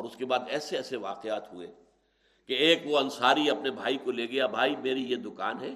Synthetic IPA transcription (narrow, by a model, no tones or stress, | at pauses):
ɔːɾʊskebaːd̪ɛːseɛːseʋaːqeaːt̪ɦʊḛ | keeːkʋoɐ̃nsaːɾiɐpnebʱaːikoleːɡɐjabʱaːimeːɾijed̪ʊkaːnɦɛː